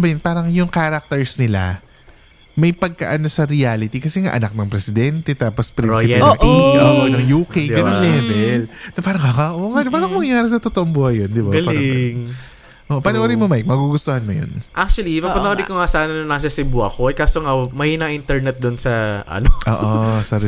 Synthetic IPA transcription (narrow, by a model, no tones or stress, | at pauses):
bɐjɐnpaːɾɐŋjʊŋkaɾɐk̚t̪ɛɹsnɪla̰ | mɐjpɐɡ̚ka̰ʔɐno̞sɐɾɪaːlɪt̪ikɐsɛŋa̰ʔɐ̰nɐk̚nɐŋpɾɛsɪd̪ɛnt̪ɛt̪aːpospɾinsɪɐʔioːʔonɐŋjuːkejɡɐnonlɛvɛlnɐpaːɾɐŋaŋaʔoŋanpaːɾɐŋmɐŋɐjaːɾɪsɐt̪ot̪oʔoŋbuːhɐjond̪ɪbaɡɐlɪɐŋ | ʔoʔopɐnoʔoːɾijmomajk̚mɐɡuɡʊst̪ohanmojo̰nʔak̚t͡ʃuɐlipɐpɐnʔoɾɪkoŋasaːnɐnɐnɐs̬ɐsɪbuʔɐ̰koɛkast̪oŋamɐjnɐŋʔint̪ɛɹnɛt̪̚d̪ʊnsɐʔɐ̰noʔo̰ːʔosɐ